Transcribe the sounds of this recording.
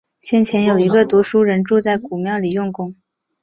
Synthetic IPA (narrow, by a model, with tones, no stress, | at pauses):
ɕjɛ˥˩nt͡ɕʰjɛ˧˥njo˨˩ʊi˧˥ɡə˧t̪wu˧˥ʂu˥ɻə˧˥nʈ͡ʂu˥˧t͡sa˥˩ɪku˨˩mjɑ˥˩ʊli˨˩jʊ˥˩ŋkʊ˥ŋ